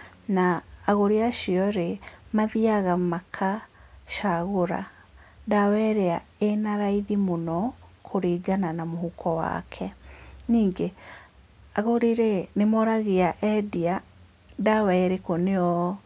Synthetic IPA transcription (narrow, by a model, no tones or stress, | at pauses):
naːɣoɾiaʃiɔɾemaðiaɣamakʰaʃaɣoɾa̰ | ndawɛɾɛaenaɾaiðimonɔkʰoɾiɡananamohukɔwa̰kʰɛniːŋɡe | aɣoɾiɾenemɔɾaɣeaʔɛdia | dawɛɾekoneɔ